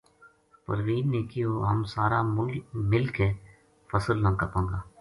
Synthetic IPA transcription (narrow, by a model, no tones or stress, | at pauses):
pə̰ɾʋiːnneːkioːɦəmsaːɾaːmɪlke | fəsəlnãːkɐpõːŋɡaː